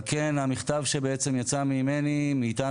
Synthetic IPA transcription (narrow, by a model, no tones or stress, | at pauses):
kenhamiχt̪avʃebeet͡semjat͡samimenimiːt̪a